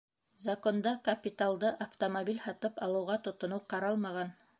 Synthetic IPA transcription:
zɐkond̪ɑkɐpʲit̪alˠd̪ɤʔɐft̪omobʲilʲhɑt̪ɤpɑlˠɤ̆wʁɑt̪ŏt̪ŏnoqɑɾɑlˠmɑʁɑn

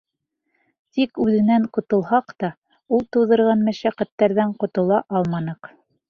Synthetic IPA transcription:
t̪ikʉðɘ̆næɴqŏt̪ŏlˠhɑqt̪ɑ | ulˠt̪ɤ̆wðɤ̆ɾʁɑnmæʃæqæt̪ːæɾðæɴqŏt̪ŏlˠɑʔɑlˠmɑnɤq

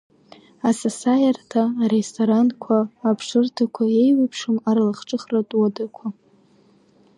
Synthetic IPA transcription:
asasajartʰaːɾestʰoɾankʷʰaːpʰʂɨrtʰakʷʰae̞jwapʰʂɨmaɾlaχʈ͡ʂʼɨχratʼwadakʷʰa

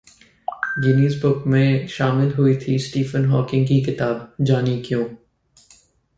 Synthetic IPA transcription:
d͡ʒɪniːzbʊkmẽʃaːmɪlɦuit̪ʰisʈiːfənɦɔːkɪ̃ŋɡkikɪt̪aːbd͡ʒaːnikjõː

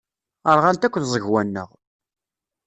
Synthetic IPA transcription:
əɾʁænt̪ækʷːəðzˤəʝwænːə̰ʁ

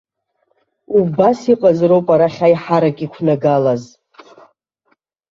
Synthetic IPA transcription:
ubasiqʼazrowpʼaɾaχʲaiħaɾakʲʼikʷʰnaɡalaz

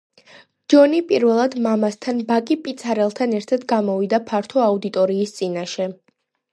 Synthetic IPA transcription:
d͡ʒɔnipʼiɾvɛlˠad̪mamast̪ʰanbakʼipʼit̪sʰaɾɛlˠt̪ʰanɛɾt̪ʰad̪ɡamɔvid̪apʰaɾt̪ʰɔaud̪it̪ʼɔɾiːst̪sʼinaʃɛ

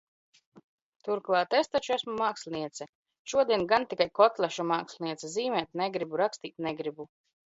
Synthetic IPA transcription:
t̪uɾklˠɑːt̪est̪at͡ʃuæsmumaːksʲlʲniɛt̪sʲɛ | ʃuɔd̪iɛnɡant̪ikajkɔt̪lʲˠɛʃumaːksʲlʲniɛt̪sɛziːmɛːt̪̚nɛɡɾibuɾakst̪iːt̪nɛɡɾibu

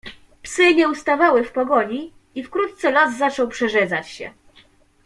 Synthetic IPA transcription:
psɘɲɛust̪avawɘfpɔɡɔɲi | ifkɾut̪̚t̪sɛlɔsːat͡ʂɔwpʂɛʐɛd̪zat͡ɕɕɛ̰

